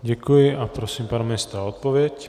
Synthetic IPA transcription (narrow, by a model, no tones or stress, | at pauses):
ɟɛkujɪʔapɾosiːmpanmɛst̪ɾaot̪̚povjɛc